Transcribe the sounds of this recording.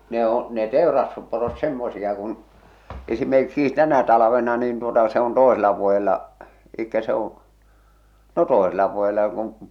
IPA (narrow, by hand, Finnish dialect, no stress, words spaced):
ne õː ne teˑorɑstusporot semːosij̆ɑ kun esimerkːiːs tænæ tɑlɑ̆ʋenɑ nin tuotɑ se on toeselɑ ʋuojelːɑ elikːæ se õː no toˑeselːɑ ʋuojelːɑ jok on̞